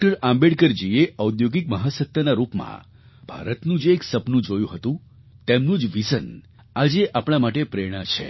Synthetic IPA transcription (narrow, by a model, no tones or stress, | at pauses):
kʈəɾãmbeɽkəɾd͡ʒieəud̪joɡik̚məɦasək̚t̪ʰjənaɾupmã̰ | b̥ʱa̰ɾət̪nũd͡ʒeːksəpnũd͡ʒojũɦət̪ũ | t̪emnũd͡ʒʋisən | ad͡ʒeʔapɳ̃amaʈ̬epɾeɽ̃at͡ʃʰḛ